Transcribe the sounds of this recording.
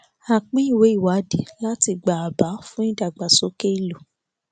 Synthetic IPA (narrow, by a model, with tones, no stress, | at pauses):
a˨k͡pĩ˦i˦˨we˨˦i˦˨wa˨˦di˨la˦ti˧ɡ͡ba˨a˨ba˨˦fũ˦ĩ˦da˨ɡ͡ba˨so˨˦ke˦i˦˨lo˨